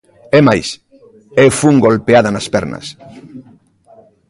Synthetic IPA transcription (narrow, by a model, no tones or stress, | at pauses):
emajs | efuŋɡolpeaðanaspeɾna̰s